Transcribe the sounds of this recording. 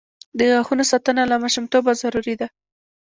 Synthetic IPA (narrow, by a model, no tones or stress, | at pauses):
d̪əɣaxunosat̪ənalamaʃumt̪obazaɾuɾid̪a